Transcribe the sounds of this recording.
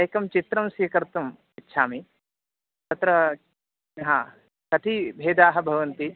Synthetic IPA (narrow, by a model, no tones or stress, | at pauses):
ɐjkɐmt͡ʃit̪ɾɐmsikɐɾt̪ɐm | itːʃʰaːmi | t̪ɐt̪ɾɐ | ɦãː | kɐt̪ʰibʱeːd̪aːɦɐbʱɐʋɐnt̪i